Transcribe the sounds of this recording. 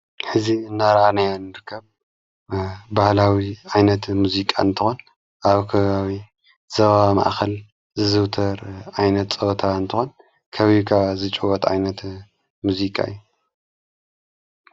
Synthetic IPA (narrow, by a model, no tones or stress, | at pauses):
ħɨziɨnːaɾanajanːɨɾɨkʰːɐβ | bahlawiʕajnɐt̪muzikʼaɨnt̪ʰɨxon | ʔaβkʰɐβaβi | z̥ɐβaβama̰ʔxɐl | zɨzɨwt̪ʰɐɾʕajnɐt̪t͡sʼɐβt̪ʰaɨnt̪ʰɨxon | kʰɐβikʰaβzɨt͡ʃʼuwɔt̪ʼʕa̰jnɐt̪ | muzikʼa̰ɨjːu